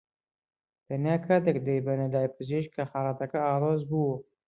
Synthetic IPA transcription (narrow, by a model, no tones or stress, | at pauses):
t̪ɐnjaːkʰat̪ekd̪ejbɐnɐlaːjpɨzeʃkʰɐxaːɾat̪ɐkɐaːloːzbu